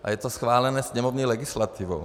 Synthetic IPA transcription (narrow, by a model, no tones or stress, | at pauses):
ʔa̰jɛt̪osxʋaːlɛnɛːsɲɛmovɲiːlɛɡɪslat̪ivo̰